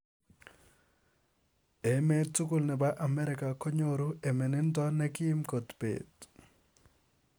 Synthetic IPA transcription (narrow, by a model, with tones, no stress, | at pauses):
e˨me˦tu˦ku˨lnɛ˨ba˦ʔa˨mɛ˦ɾɪ˨ka˨kɔ˦ɲo˨ɾu˦e˨me˨nɪ˦ntɔ˦nɛ˦kɪ˦ɪ˦mko˨tpḛ˨t